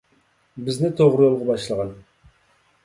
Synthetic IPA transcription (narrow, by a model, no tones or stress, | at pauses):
bɪznɪt̪ʰoʁɾɨjolˠʁɑbɑʃlˠəʁɑn